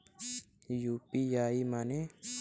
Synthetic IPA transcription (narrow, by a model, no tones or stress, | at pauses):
juːpijaːimane